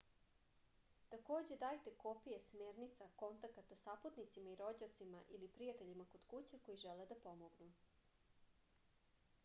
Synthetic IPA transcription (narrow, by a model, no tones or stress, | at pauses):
t̪ako̞ːd͡ʑed̪aːjt̪e̞kopije̞smeːɾnit̪sako̞nt̪akat̪asapot̪nit̪simaiɾo̞d͡ʑat̪simaʔilipɾijat̪eʎimako̞d̪kut͡ɕeko̞jiʒeled̪apo̞moɡnu